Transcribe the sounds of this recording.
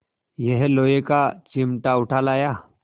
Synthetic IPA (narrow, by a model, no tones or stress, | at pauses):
jɛɦelojekat͡ɕimʈauʈʰalaja